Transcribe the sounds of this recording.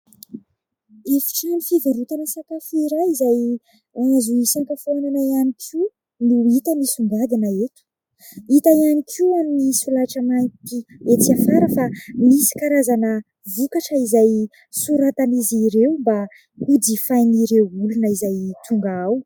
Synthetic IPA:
efi̥ʈ͡ʂanifivuɾut̪anəsakafiɾaizaj | azuisaŋkafonanaianikʲʰu | nuit̪əmisuŋɡad̪inəet̪u̥ | it̪aianikʰiaminisulaʈ͡ʂəmajt̪iet͡siafaɾəfamisi̥kaɾazanə | vukaʈ͡ʂəizaj | suɾat̪aniziɾewmba | ud̪ifajniɾewulunəizajt̪ʰuŋɡaaw

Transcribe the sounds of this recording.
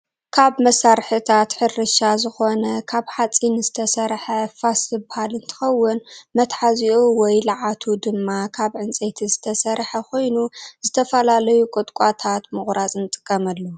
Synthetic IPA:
kʰaβmɐsaɾħɨt̪ʰat̪ħɨɾɨʃazɨxo̞nɐkʰaβħat͡sʼinzɨt̪ʰɐsɐɾħɐfasɨbɨhalɨnt̪ʰɨ̥xɐwːʊnmɐt̪ħaziʔowɔjlɨʕat̪ʰud̪ɨmːakʰaβʕɨnt͡sʼet̪ʰizɨt̪ʰɐsɐɾħɐkʰo̞jnuz̥ɨt̪ʰɐfɐlalɐjukʼɨt̪ʼkʼat̪ʰat̪mɨxɾat͡sʼɨnɨt̪ʼɨkʼːɐmɐlːɐ

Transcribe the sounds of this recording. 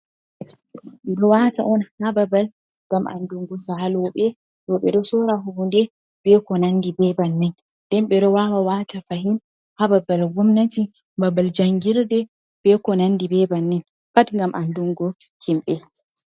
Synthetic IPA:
ɓɛɗɔwata̰ʔɔnhababal | ŋɡ̥amʔa̰nduŋɡɔsahalɔɓɛ | ɗɔɓɛɗɔsɔɾaɦubundɛ | bɛkɔnandibɛbanːɛn | d̥ɛnɓɛɗɔwawawatafaɦin | hababalɡumnati | babald͡ʒaŋɡiɾdɛ | b̥ɛkɔnanːdibɛbanːɛn | patŋɡamʔanduŋɡɔ | himɓɛ

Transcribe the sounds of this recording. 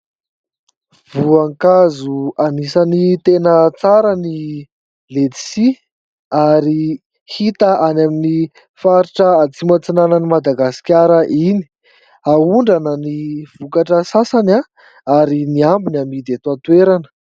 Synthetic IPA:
vuaŋkazuanisənit̪enət͡saɾəni | led̪i̥si | aɾi | hit̪aʔanamini | faɾiʈ͡ʂəat͡simat͡sinanənimad̪aɡasi̥kʲaɾəʔini̥ | auɳɖ͡ʐanəniv̥ukaʈ͡ʂəsasana | aɾiniambinamid̪et̪uat̪weɾanə̥

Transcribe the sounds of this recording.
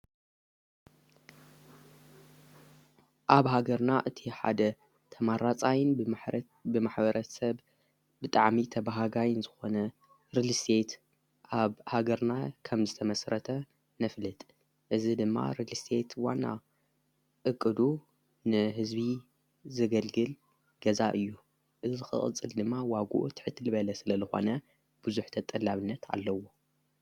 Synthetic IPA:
ʔaβɦaɡɐɾnaʔɨt̪ʰiħa̰d̪ɐ | t̪ʰɐmaɾat͡sʼajɪn | bɨmaħbɐɾʔɐsɐβ | bɨt̪ʼaʕmit̪ʰɐbaɦaɡajɪnzɨxo̞nɐ | ɾɨlist̪ʰe̞t̪ | ʔaβhaɡɐɾnakʰɐmzɨt̪ʰɐmɐsɾɐt̪ʰɐ | nɐflɨt̪ʼ | ʔɨzid̪ɨmːa̰ɾɨlist̪ʰe̞t̪wa̰nːa̰ | ʔɨkʼːɨd̪u | nɨɦɨzbi | zɐɡɐlɡɨl | ɡ̥ɐzaʔɨjːu | ʔɨzɨzɨxɨ̰χʼɨ̰t͡sʼːɨld̪ɨmːawaɡṵʔut̪ʰɨ̥ħɨt̪ʰːɨlɨβɐlɐsɨlɐzɨxo̞̰nɐ | b̥ɨzuħt̪ʰɐt̪ʼɐlaβɨnːɐt̪ʰa̰lːɐwo̞

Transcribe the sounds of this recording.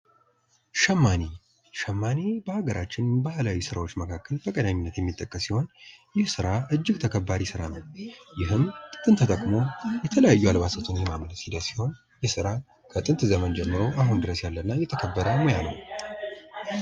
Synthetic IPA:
ʃəmːane | ʃəmːanebəhaɡəɾʔat͡ʃːɪnbahlawusɨɾawo̞t͡ʃːməkʰakːəlʰəkʼəd̪aminːət̪jɛmːit̪ʼːəkʼːəsːiho̞njɪhsɨɾaɨd͡ʒːɪɡt̪ʰəkʰəbːaɾisɨɾanəwjɪɦɨmt̪ʼɨnt̪ʰt̪ʼəkʼmo̞jɛt̪ʰələjajːualbasət̪ʰunjɛmamnəsid̪əsiho̞n | jɛsɨɾa | kʰət̪ʼɨnt̪zəmənd͡ʒɛmːɨɾo̞ʔaɦund̪ɨɾəsjalːənːajɛt̪ʰəkʰəbːəd̪əmojanə̰w

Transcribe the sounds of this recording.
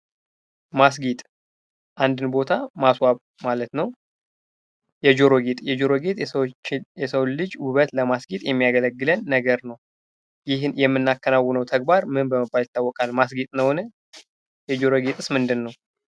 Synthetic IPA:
mas̬ɡit̪ʼ | ʔand̪ɨnbo̞t̪ʰamaswaβ | malət̪nəw | jɛd͡ʒoɾo̞ɡet̪ʼjɛd͡ʒoɾoɡet̪ʼː | jɛsəwlɨd͡ʒwuβət̪ləmasɡit̪ʼjɛmːijaɡələɡːɨlənːəɡəɾnəw | jɪhnjɛmːɨnːakːənawːɨnəwt̪ʰəɡ̚baɾmɨnbəməbːaljɪt̪ʰːawːɔkʼalmasɡit̪ʼnəwnə | jɛd͡ʒoɾoɡet̪ʼɨsmɨnd̪ɨnːəw

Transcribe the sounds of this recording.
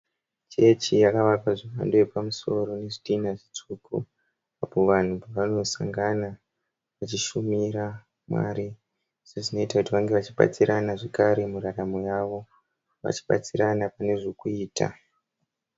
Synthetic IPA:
t͡ʃe̞t͡ʃijakaʋakaʐiwa̰ndojepamuso̞ɾo̞ne̞ʐitinaʐit͡ʂukṵ | apo̞ʋan̤upaʋano̞sa̰ŋɡana | ʋat͡ʃiʃumiɾa | mwa̰ɾi | seʐino̞itakutiʋaŋɡe̞ʋat͡ʃiɓa̰t͡siɾanaʐekaɾe̞muraramujaːʋo̞ | ʋa̰t͡ʃi̥ɓa̰t͡siɾanapane̞ʐokuiːta̰

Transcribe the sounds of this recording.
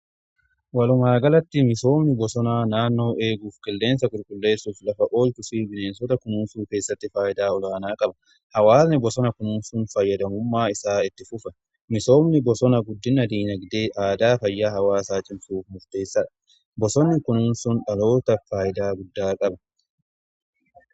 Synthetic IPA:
wɐlʊmaːɡɐlɐt̪ːɪmɪso̞ːmnɪbɔsɔnaːnaːnːo̞ːʔe̞ːɡuːfkʼɪlːe̞ːnsɐɡʊɾkʼʊlːe̞ːsːuːflɐfɐʔo̞ːlt̪ʊfiːbɪneːnsɔt̪ɐkʊnuːnsuːke̞ːsːɐt̪ːɪfaːjɪd̪aːɔlaːnaːkʼɐbɐ | hɐwaːsnɪbɔsɔnɐkʊnuːnsʊnfɐjːɐd̪ɐmʊmːaːɪsaːɪt̪ːɪfʊfɐ | mɪso̞ːmnɪbɔsɔnɐɡʊd̪ːɪnɐd̪iːnɐɡd̪eːʔaːd̪aːfɐjːaːɦɐwaːsaːt͡ʃʼɪmsuːfmʊɾt̪e̞ːsːɐᶑɐ̥ | bɔsɔnːɪkʊnuːnsʊnᶑɐlo̞ːt̪ɐfaːjɪd̪aːɡʊd̪ːaːkʼɐbɐ̥

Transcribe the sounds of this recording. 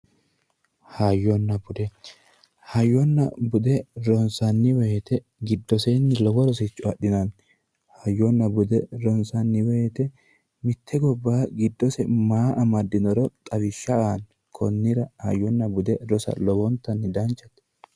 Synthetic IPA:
haːjːɔnːɐbʊd̪ɛ | hɐjːɔnːɐ̰bʊd̪ɛɾɔnsɐnːɪwɛjɛt̪ɛ | ɡɪd̪ːɔsenːɪlɔbɔɾɔsɪt͡ʃʼːʊɐɗːɪnɐn | haːjːɔnːɐbʊd̪ɛɾɔnsɐnːɪwɛjɛt̪ɛ | mɪt̪ʰːɛɡɔbːaːɡɪd̪ːɔsɛmaːʔɐmɐd̪ːɪnɔɾɔt̪ʼɐβɪʃːɐaːn | kʰɔ̰nːɪɾɐha̰jɔnːɐbʊd̪ɛɾɔsɐ̰lɔwɔnt̪ːɐnːɪd̪ɐnt͡ʃʼːɐt̪

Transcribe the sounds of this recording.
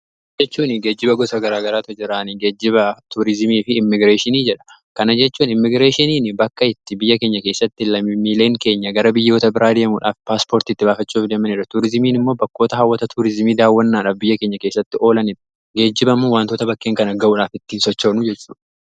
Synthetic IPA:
d͡ʒɛt͡ʃːuːnɪɡe̞ːd͡ʒːɪbɐɡɔsɐɡɐɾaːɡɐɾaːt̪ɔd͡ʒɪɾaːniɡe̞ːd͡ʒːɪbɐt̪uːɾɪzɪmiːfɪːmːɪɡɾeːʃɪniːd͡ʒɛᶑɐ̥ | kɐnɐd͡ʒɛt͡ʃːuːnɪmːɪɡɾeːʃɪniːnɪbɐkːɐɪt̪ːɪbɪjːɐke̞ːɲːɐke̞ːsːɐt̪ːɪlɐmːɪmːiːle̞ːŋke̞ːɲːɐɡɐɾɐbɪjːo̞ːt̪ɐbɪɾaːd̪eːmuːᶑa̰ːfpaːspo̞ːɾt̪iɪːt̪ːɪbaːfɐt͡ʃːuːfd̪eːmːɐnɪɾɐt̪uːɾɪzɪmiːnɪmːo̞ːbɐkːoːt̪ɐhɐwːɐt̪ɐt̪ʰuːɾɪzmiːd̪aːwːɐnːaːᶑaːfbɪjːɐkeːɲːɐke̞ːsːɐt̪ːɪʔo̞ːlɐnɪᶑɐ̥ | ɡe̞ːd͡ʒːɪbɐmːoːwaːnt̪oːt̪ɐbɐkːeːŋkɐnɐɡɐʔuːᶑaːfɪt̪ːiːnsɔt͡ʃːoːnʊd͡ʒɛt͡ʃːṵːᶑɐ̥

